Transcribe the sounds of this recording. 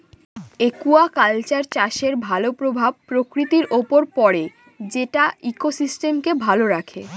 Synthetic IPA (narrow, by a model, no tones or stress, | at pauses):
ekuakalt͡ɕaɾt͡ɕaʃeɾbʱalopɾobʱab̚pɾokɾit̪iɾʔopoɾpɔɾe | d͡ʑeʈaikosisʈemkebʱaloɾakʰe